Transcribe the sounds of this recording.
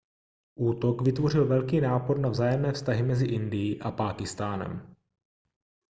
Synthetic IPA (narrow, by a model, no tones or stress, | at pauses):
ʔuːt̪okvɪt̪vo̞rɪlvɛlkiːnaːpoɾnavzaːjɛmnɛːfst̪aɦɪmɛzɪʔɪndɪjiʔapaːkɪst̪aːnɛ̰m